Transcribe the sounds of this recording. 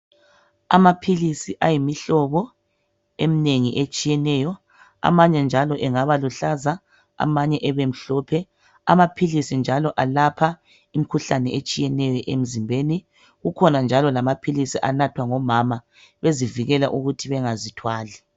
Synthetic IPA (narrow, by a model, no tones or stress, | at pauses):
a̰mapʰilisiʔajimiɬɔβɔ | emineŋiʔet͡ʃʼijɛnɛːjɔ | a̰maɲɛnd͡ʒʱalɔʔɛŋaβaluɬaza | a̰maɲɛʔɛβem̩ɬɔːpʰɛ | a̰mapʰilisind͡ʒʱalɔʔalapʰa | im̩kʰuɬanɛet͡ʃʼijɛnɛjɔʔem̩zimbʱeːni | ɣukʰɔnand͡ʒʱalɔlamapʰilisiʔanatʰwaŋɔmama | βeziviɣɛlaʔuɣutʰiβɛŋazitʰwaːli